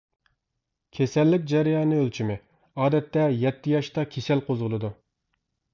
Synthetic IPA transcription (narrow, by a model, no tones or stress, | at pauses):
kʲʰesɛlːɪkʲd͡ʒɛɾɪjɑːnɨølt͡ʃʰimɪ | ɑːd̪ɛt̪ːɛjɛt̪ʰːɪjɑʃt̪ɑkʲʰesɛlqʰozʁəlˠɨd̪u